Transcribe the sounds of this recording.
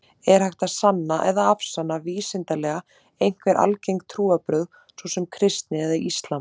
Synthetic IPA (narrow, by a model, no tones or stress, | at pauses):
ɛɾ̥hajht̪asanːaʔɛðaafsanːaviːsɪnt̪alɛːɣa | ejn̥kvɛɾʔa̰lcejŋk̚t̪ʰɾuːapɾœð | svɔsɛmkʰɾɪst̪nɪɛðaist̪lam